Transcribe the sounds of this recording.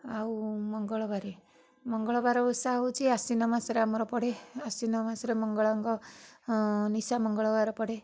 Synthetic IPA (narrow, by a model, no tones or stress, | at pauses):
awmɔŋɡɔɭɔbaɾe | mɔŋɡɔɭɔbaɾɔusaut͡ʃʰiasinɔmasɔɾeamɔɾɔpɔɽ̤easinɔmasɔɾemɔŋɡɔɭaŋkɔ | nisamɔŋɡɔɭɔbaɾɔpɔɽ̤e